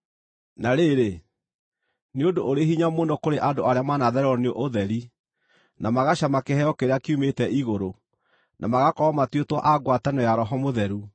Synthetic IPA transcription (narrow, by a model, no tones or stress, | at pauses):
naɾeɾe | neodoʔoɾeɦiɲamoːndokoɾeʔadoaɾeamanaðɛɾɛɔneoʔoðɛɾi | namaɣaɕamakehɛjɔkeɾeakiumetɛʔiɣoɾo | nʔamaɣakɔɔmatwetwaʔaɡwatanɔjaɾɔɦɔmoðɛɾu